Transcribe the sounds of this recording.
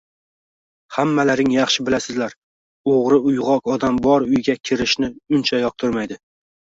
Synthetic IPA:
hamːalaɾɪŋjɑχʃɪbɪlasɪzlaɾ | oʁɾɪʊjʁɒkɒd̪ambɒɾʊjɡʲakʲʰɪɾɪʃnɪʊnt͡ʃʰajɒq̚t̪ʰɪɾmajd̪ɪ

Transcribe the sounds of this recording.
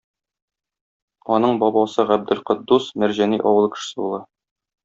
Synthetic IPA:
ɒnɤɴbɒbɑsɤʁæb̚d̪ɘ̆lqŏd̪ːusmæɾʑæniʔɒ̰wɤ̆lˠkɘ̥̆ʃɘ̥̆sɘbulˠɑ

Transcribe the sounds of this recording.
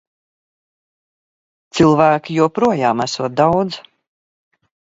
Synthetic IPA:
t̪silˠvæːkʲijuɔpɾuɔjaːmæsuːt̪̚d̪awd̪z

